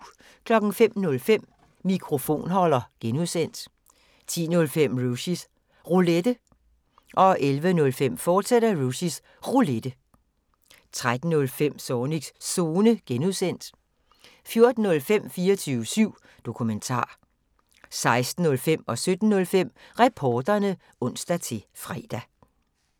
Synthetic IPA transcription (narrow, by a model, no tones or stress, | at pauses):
kʰlɒ̽ɡ̥n̩fem̰nɔ̽lfem̰ | mikʰʁo̝fo̝̰ːnɦɒ̽l̰ɐɡ̥enuðˠsen̰d̥ | t͡sʰḭːnɔ̽lfem̰ʁusis | ʁuled̥ə | ʔɒ̽ʔelʋənɔ̽lfem̰fɒːd̥sed̥ɐʁusis | ʁuled̥ə | t͡sʰʁad̥n̩ːɔ̽lfem̰sɒːniɡ̥sso̝ːnəɡ̥enuðˠsen̰d̥ | fjo̝ɐd̥n̩ːɔ̽lfem̰fiːɐt͡sʰyːʊəsyʊ̰ | d̥o̝kʰument͡sʰɑ̰̈ː | sɑ̈ɪsd̥n̩ːɔ̽lfem̰ɒ̽sød̥n̩ːɔ̽lfem̰ʁɛpʰɒːd̥ɐnə | ɔ̽n̰sd̥æt͡sʰe̝fʁɛ̰ːd̥æ